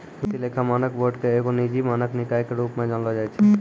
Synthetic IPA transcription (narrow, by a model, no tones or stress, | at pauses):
kut̪ilekʰamanəkboɖkeekonid͡ʑimanəknikajkeɾupmad͡ʒɔnld͡ʒajt͡ʃʰe